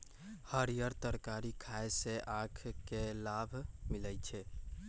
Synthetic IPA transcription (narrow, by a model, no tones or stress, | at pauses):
həɾijəɾt̪əɾkaɾikʰaeseʔakʰkelabʱmilət͡ʃʰɛ